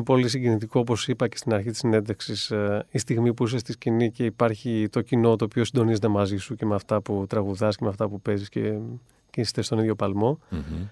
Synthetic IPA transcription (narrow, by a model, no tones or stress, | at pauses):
npo̞lis̬iɟinit̪iko̞opo̞sipɐcest̪inɐɾçit̪isine̞nd̪eksisist̪iɣmipuisest̪iscinice̞ipɐɾçit̪o̞cino̞t̪o̞ːpio̞sind̪o̞nizet̪e̞mɐzisuce̞meɐft̪ɐput̪ɾɐɣuðɐsce̞meɐft̪ɐpupe̞zisce | cesi̥st̪est̪oniðʝo̞pɐlmo̞